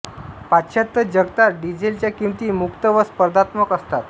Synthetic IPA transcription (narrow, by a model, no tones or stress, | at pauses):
pat̪ɕət̪ːəd͡ʑəɡt̪aɾɖid͡ʑelt͡ɕjakimt̪iːmukt̪əʋəspəɾd̪at̪məkəst̪at̪